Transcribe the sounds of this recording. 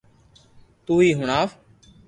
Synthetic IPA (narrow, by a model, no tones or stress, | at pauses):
t̪uːiːɦʊɳaːf